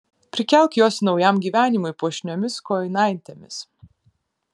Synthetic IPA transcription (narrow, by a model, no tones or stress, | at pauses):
pʲɾʲɪkʲɛlʲˠkʲjoːsnɒʊjɛmɡʲiːʋʲæːnʲɪmʊɪpuɔʃʲnʲɔmʲɪskɔːjɪnɑˑɪnʲt̪ʲemʲɪs